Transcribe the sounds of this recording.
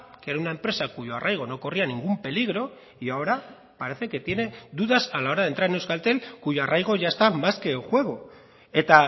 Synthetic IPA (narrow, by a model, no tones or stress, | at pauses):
keɾaunaempɾe̞sakuʝo̞a̰rajɣ̞o̞no̞korianiŋɡumpe̞liɣ̞ɾo̞ | iaoɾa | paɾe̞θe̞ke̞t̪je̞ne̞d̪uðasalao̞ɾaðe̞nt̪ɾaɾenewskalt̪e̞lkuʝo̞arajɣ̞o̞ʝaest̪amaske̞xwe̞ɣ̞o | e̞t̪a